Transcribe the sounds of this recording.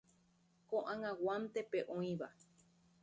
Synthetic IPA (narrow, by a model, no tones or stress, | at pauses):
kõʔãŋãwamt̪epeʔõĩβa